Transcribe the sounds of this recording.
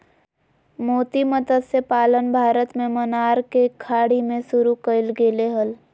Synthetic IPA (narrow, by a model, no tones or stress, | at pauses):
moːt̪iməd̪əd̪sepaːlənbʱaːɾət̪mẽmənaːɾkekʰaːɽimẽsʊɾukəɪlɡeːleɦəl